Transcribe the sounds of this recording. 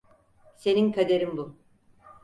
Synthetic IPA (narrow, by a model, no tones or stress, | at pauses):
se̞ninkʰad̪eɾimbu